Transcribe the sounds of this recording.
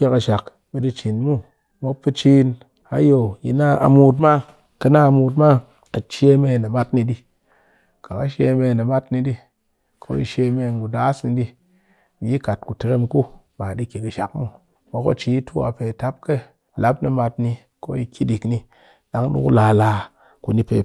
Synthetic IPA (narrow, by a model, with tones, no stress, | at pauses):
kʲe˧ka˧ʃa˨k | ɓe˧di˧t͡ʃi˨nmu˦ | mo˦pːɨ˧t͡ʃi˦n | a˨jo˨ji˨na˦a̰˨mu˦˧t̬ma˦ | kɨ˧na˦a˧mu˧t̬ma˦ | a˨t͡ʃe˦me˧˨ne˨ma˦tni˧di˧ | ka˨ka˦ʃe˧me˧˨ne˨ma˦tni˧di˦ | kʰo̰˦jḭ˧ʃe˧me˧˨ŋ˨ɡu˨da˦sni˧di˦ | mi˨ji˦ka˨t̚ku˨te˨˧ɾe˦mku˦ | ma˨di˦kʲi˨kɨ˨ʃa˨k̚mu˦ | mo˦ko̰˦t͡ʃi˨˦i˦tʰu˦a̰˨pe˨ta˦p̚ke˦ | la˦p̚nɨ˧ma˧t̚ni˧ | ko˦ji˧kʲʰi˦di˨kni˧ | ɗa˦ŋ˦ɗṵ˦kṵ˦laː˧laː˧ | ku˨ni˦pḛ˧